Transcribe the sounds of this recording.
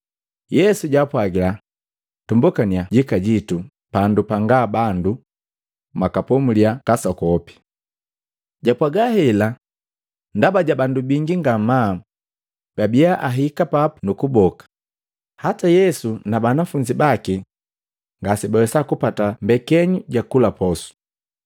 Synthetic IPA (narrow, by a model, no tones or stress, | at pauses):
jɛsuɟapwaɡila | tumbukaniaɟikaɟitu | pandupaŋɡabandu | makapɔmuliakasɔkɔpi̥ | ɟapwaɡahɛla | ndabaɟabandubiŋɡiŋɡama | b̥abiaʔaɦikapapunukubɔkḁ | hatajɛsunabanafuɲd͡ʒibaki | ŋɡasibawɛsakupatambɛkɛɲuɟakulapɔsu̥